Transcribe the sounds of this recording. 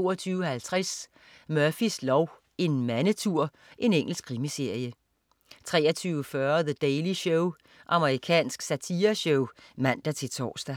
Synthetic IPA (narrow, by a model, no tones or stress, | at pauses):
o̝̰ːɐt͡sʰyːʊəhælt͡sʰʁas | mœɐfislɒʊ | e̝nmænət͡sʰuɐ̰ | ʔe̝neŋ̰l̩sɡ̥kʰʁimise̝ɐ̰jə | t͡sʰʁɛ̰ːɐt͡sʰyːʊəfɶːɐðəd̥eɪliɕɔʊ | ʔɑ̈məʁikʰɛ̰ːnsɡ̥sæt͡sʰiɐɕɔʊmæn̰d̥æt͡sʰe̝lt͡sʰɒ̰ːsd̥æ